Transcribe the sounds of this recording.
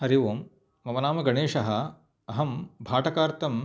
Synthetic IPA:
hɐɾiʋoːmː | ɐmɐnaːmɐɡɐɳeːʂɐɦɐ̆ | ɐɦɐmbʱaːʈɐkaːɾt̪ɐm

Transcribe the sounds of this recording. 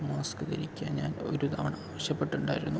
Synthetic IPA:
maːskɨt̪ɐɾikʲːa̰ːnɲa̰ːno̞̰ɾut̪ʰɐʋɐɳaːʋɐɕjɐpːe̞ʈːuɳɖaːjiɾunːu

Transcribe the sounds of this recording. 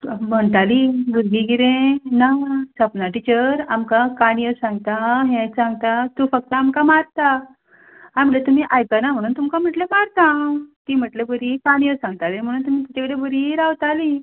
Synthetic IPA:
m̤əɳt̪aliɡəɾɡiɡiɾẽnasəpnaʈit͡ɕəɾamkakaɽ̃ijəsãŋɡt̪aɦẽt͡sãŋɡt̪at̪ũfək̚t̪əamkamaɾt̪a | am̤ilet̪um̤iʔajt̪anam̤əɽ̃uːnt̪umkam̤əʈlemaɾt̪ãt̪iːm̤əʈlebəɾikaɽ̃ijəsãŋɡ̚t̪alem̤əɽ̃uːnt̪um̤it̪it͡ɕakəɽebəɾiɾaʋt̪ali

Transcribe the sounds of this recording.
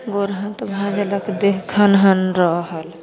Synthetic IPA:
ɡoɾɦə̃nt̪bʱãd͡ʒələkd̪ekʰənɦənɾəɦəl

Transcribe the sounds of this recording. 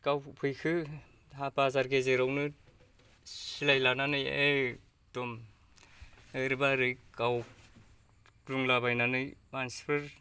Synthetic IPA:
kawpʰɯjkʰɯ | ɦapazaɾɡezeɾawnɯ | silajlananɯje | tɔm | ɯɾɯbaɾɯkaw | kluŋlabajnanɯjmanspʰɯɾ

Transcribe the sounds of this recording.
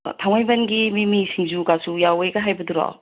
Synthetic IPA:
tʰawŋajbɐnɡimimisiŋzuɡasujawejɡaɦajbɐduɾɔ̰

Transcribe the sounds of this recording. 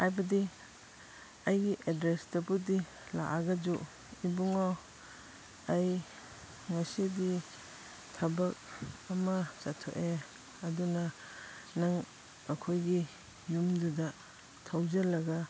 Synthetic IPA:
hajbɐdi | ɐjɡiʔedɾesdɐbudi | la̰ʔaɡɐd͡ʒu | ibuŋo | ɐj | ŋɐsidi | tʰɐbɐk̚ɐmɐsatʰo̰ʔe | ɐdunɐ | naŋ | ɐkʰojɡi | jumdudɐ | tʰawzɐlɐɡa

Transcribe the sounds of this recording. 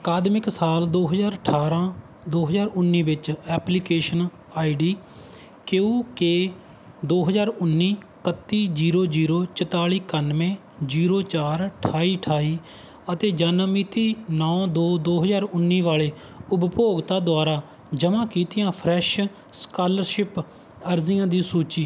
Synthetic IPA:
əkaːd̪mɪksaːld̪oːɦəzaːɾəʈʰaːɾãː | d̪oːɦəzaːɾʊnːiːʋɪt͡ʃɛːplikeːʃən | aːiɖiː | keũːke | d̪oːɦəzaːɾʊnːiː | kət̪ːiːd͡ʒiːɾoːd͡ʒiːɾoːt͡ʃət̪aːliːkənʋẽː | d͡ʒiːɾoːt͡ʃaːɾʈʰaːiːʈʰaːiː | ət̪eːd͡ʒaːnəmiːt̪iːnɔ̃ːd̪oːd̪oːɦəzaːɾʊnːiːʋaːleː | ʊbpoːɡt̪aːd̪oʊaːɾaː | d͡ʒəmãːkiːt̪ɪjãːpʰɾɛːʃ | skaːləɾʃɪp | əɾziːjãːd̪iːsuːt͡ʃiː

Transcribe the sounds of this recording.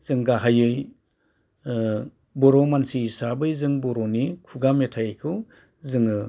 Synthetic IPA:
z̥ɯŋɡaɦajɯj | bɔɾɔmansiːsabɯjzɯŋbɔɾɔnikʰuɡametʰajkʰɯw | zɯŋɯ

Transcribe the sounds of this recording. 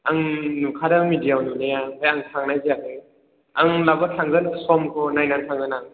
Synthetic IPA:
aŋnukʰadamidijawninajaajaŋtʰaŋnajziakʰɯ | aŋlabɐtʰaŋzanasɔmkʰɔnajnantʰaŋanaŋ

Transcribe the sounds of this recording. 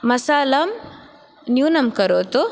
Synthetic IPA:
mɐsaːlɐm | njuːnɐmkəɾot̪o

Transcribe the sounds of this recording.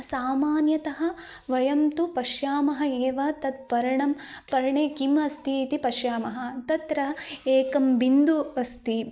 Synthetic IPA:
saːmaːnjɐt̪ɐɦɐ̆ | ʋɐjɐmt̪upɐʃjaːmɐɦɐ̆eːʋɐt̪ɐt̪̚pɐɾɐɳɐmpɐɾɐɳeːkimɐst̪iːt̪ipɐʃjaːmɐɦɐ̆t̪ɐt̪ɾɐeːkɐmbind̪uɐst̪i

